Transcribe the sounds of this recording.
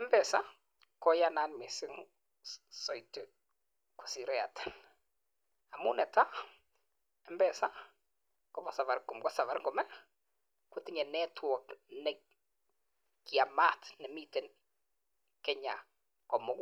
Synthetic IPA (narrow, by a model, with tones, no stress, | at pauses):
mbɛ˨sa˦ | kɔ˦ja˦na˦nmɪ˨sɪ˦ŋ | sɔ˨jtɪ | ku̥˨si˨ɾɛ˦a˨tʰɛ̥˨n | a˨mṵ˦nɛ˨ta˦ | ɛ˦mbɛ˨sa˦ | kɔ˦pɔ˨sa˨va˨ɾkʊ˨mkɔ˦sa˨va˨ɾŋɡɔ˨mɛ˦ | kʊ˨tɪ˦ɲɛ˨nɛ˦tʰwɔ˨knɛ˨ | kia˨ma˦tnɛ˨mi˦tɛ˨n | kɛ˦ɲa̰˨ | kɔ˨mɔ˦k